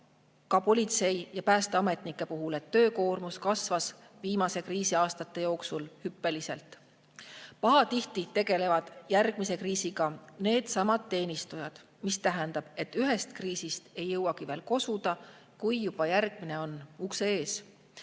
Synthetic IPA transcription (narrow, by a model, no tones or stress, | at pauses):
kɑpo̞lʲit̪se̞jjɑpæːst̪eɑme̞t̪ˑnikːˑe̞puɦulet̪ːø̞ːko̞ːrmuskɑsvɑs | viːmɑse̞kriːsiɑːst̪ɑt̪ːˑe̞jo̞ːksulhypːe̞lise̞̰lt̪ˑ | pɑɦɑt̪iht̪it̪e̞ɡ̥e̞le̞vɑd̪̥jærɡ̥̚mise̞kriːsiɡ̥ɑne̞ːd̪̥sɑmɑd̪̥ːe̞ːnist̪ujɑd̪̥ | mist̪æɦɛnd̪̥ɑb̥e̞t̪ːˑyɦe̞st̪kriːsist̪e̞jːɤwɑkive̞ːlko̞sud̪̥ɑ | kujːub̥ɑjærɡ̥̚mineo̞nukseeːs